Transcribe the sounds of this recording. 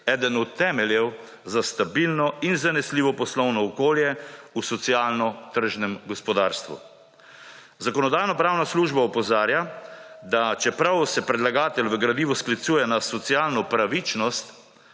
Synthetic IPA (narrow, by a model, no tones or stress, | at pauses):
ɛːd̪ənɔɛmɛljɛw | zast̪abilnɔinzanɛsliːʋɔpɔslɔwnɔːkoːljɛusɔt̪sijaːlnɔt̪əɾʒnɛmɡɔspɔd̪aːɾst̪ʋṵ | zakɔnɔd̪aːjnɔpɾaːwnasluːʒbaɔpɔzaːɾja | d̪at͡ʃɛpɾawsɛpɾɛd̪laɡaːt̪ɛlʋəɡɾad̪iːʋɔsklit̪suːjɛnasɔt̪sijaːlnɔpɾaʋit͡ʃnɔst̪